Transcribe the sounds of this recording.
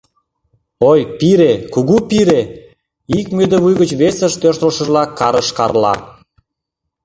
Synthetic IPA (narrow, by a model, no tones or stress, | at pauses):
ojpiɾekuɣupiɾe | ikmød̪əβujɣət͡ɕβesə̆ʃt̪ørt̪oʃə̆ʒlɑkːɑɾəʃkɑrlɑ̰